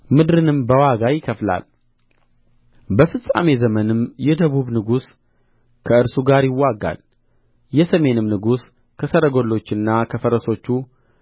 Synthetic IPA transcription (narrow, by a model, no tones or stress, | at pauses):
mɨd̪ɾɨnɨmbəwaɡajɪkʰəfla̰l | bəfɨsʼa̰me̞zəmənɨmjɛd̪əβuβnɨɡus | kʰəɨɾsuɡaɾjɪwːaɡa̰l | jɛsəme̞nɨmnɨɡus | kʰəsəɾəɡo̞lːo̞t͡ʃːɨnːakʰəfəɾəso̞t͡ʃːu